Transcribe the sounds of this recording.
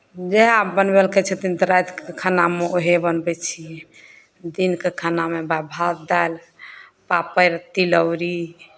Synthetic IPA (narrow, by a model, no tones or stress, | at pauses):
d͡ʒeabənbelkɛt͡ʃʰɛt̪ind̪ɾajt̪kekʰanameoɦebənbɛt͡ʃʰiɛ | d̪inkekʰanamebabʱat̪̚d̪al | papəɾt̪iləwɾi